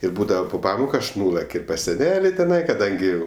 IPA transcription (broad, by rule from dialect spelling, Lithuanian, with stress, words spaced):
ɪr ˈbuːdɐʋɐ pʊ ˈpɑːmoːkʊ ˈɐʃ ˈnʊlˠɐkʲ ɪ pɐs sʲɛˈnʲæːlʲɪ tʲɛˈnɐɪ kɐˈdɐŋʲɡʲɪ